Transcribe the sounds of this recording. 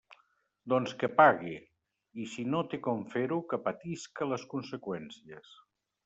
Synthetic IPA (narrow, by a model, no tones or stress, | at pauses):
d̪ɔnskəpaɣi | isinot̪ekɔɱfeɾukəpət̪iskələskunsəkwɛnsiəs